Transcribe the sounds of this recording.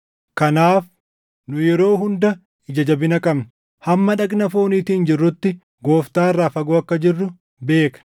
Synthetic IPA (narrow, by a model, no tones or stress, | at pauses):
kɐnaːf | nʊjɛɾo̞ːɦʊnd̪ɐ | ɪd͡ʒɐd͡ʒɐbɪnɐkʼɐbn | hɐmːɐᶑɐknɐfo̞ːniːt̪iːnd͡ʒɪrːʊt̪ːɪ | ɡo̞ːft̪aːrːaːfɐɡoːɐkːɐd͡ʒɪrːʊ | be̞ːkɐ̥